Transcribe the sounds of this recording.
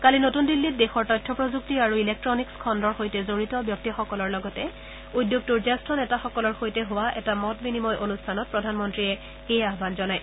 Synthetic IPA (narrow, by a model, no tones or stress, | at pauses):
kalinotundilːit̚dɛxɔɹtɔjtʰːɔpɹɔzuk̚tiaɹuilɛk̚tɹɔnikskʰɔndɔɹxojtɛzoɹitɔbjɔk̚tixɔkɔlɔɹlɔɡɔtɛ | udjok̚tuɹzɛstʰɔnɛtaxɔkɔlɔɹxojtɛɦowaʔɛ̰tamɔtbinimɔjʔonustʰanɔt̚pɹɔdʱanmɔntɹiɛ | ejaɦbanzɔnaj